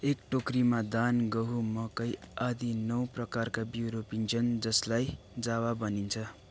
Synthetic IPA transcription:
ekʈokrimad̪anɡʌɦumʌkʌjʌd̪ʱinʌw̃prʌkarkabjiɾopint͡sʰʌnd͡zʌslaj | d͡zawabʌnint͡sʰʌ

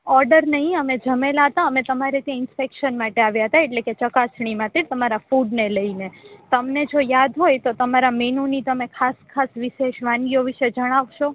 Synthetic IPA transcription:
ɔɾɖəɾnəɦĩəmẽd͡ʒəmelaɦət̪aəmẽt̪əmaɾet̪jãɪnspekʃənmaʈeaʋjaɦət̪aeʈleket͡ʃəkasɽ̃imãt̪iɾt̪əmaɾafuɖneləinet̪əmned͡ʒojad̪ɦojt̪ot̪əmaɾamenunit̪əmekʰaskʰasʋiʃeʃʋãnɡioʋiʃed͡ʒəɽ̃aʋʃo

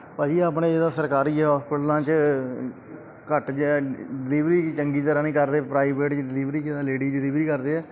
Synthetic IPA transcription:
pəːd͡ʒiːaːpnẽːd͡ʒɪd̪ãːsəɾkaːɾiːɦɔːspɪʈlãːt͡ʃ | kəʈd͡ʒɖɪliːʋɾiːt͡ʃəŋɡiːt̪əɾaːnĩːkəɾd̪eːpɾaːɪbeːʈt͡ʃɖɪliːʋɾiːkɪd̪ãːleːɖiːɖɪliːʋɾiːkəɾd̪eːɛː

